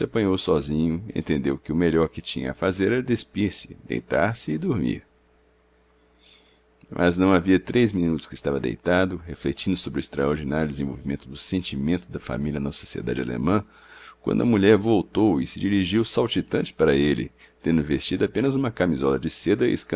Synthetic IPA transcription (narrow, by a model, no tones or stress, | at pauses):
sɪapɐ̃ɲowsɔzĩɲʊḛ̃nt̪ẽnd̪ewkɪʊmeʎɔɾkɪt͡ʃĩɲɐ̰ɐfazeɾɛɾɐd̪espiɾsɪ̥d̪ḛjt̪a̰ɾsɪːd̪oɾmḭɾ | mʔɐ̰znɐ̃w̃aviɐt̪ɾezmĩnut̪ʊ̥skɪst̪avɐd̪ḛjt̪ad̪ʊɦeflet͡ʃĩnd̪ʊsobɾʊest̪ɾɐoɾd͡ʒinaɾjʊd̪ezẽvo̰wvimẽnt̪ʊd̪ʊsẽnt͡ʃimẽnt̪ʊd̪ɐfa̰miliɐnɐso̥siḛd̪a̰d͡ʒɪa̰lḛmɐ̃ | kwɐ̰̃nd̪ʊɐmuʎɛɾvowt̪owɪsɪd͡ʒiɾiʒiwsawt͡ʃit̪ɐ̃nt͡ʃɪ̥paɾɐelɪ̰ | t̪ẽnd̪ʊvest͡ʃid̪ʊapẽnɐzũmɐkamizɔlɐd͡ʒɪsed̪ɐɪ̰skɐ̃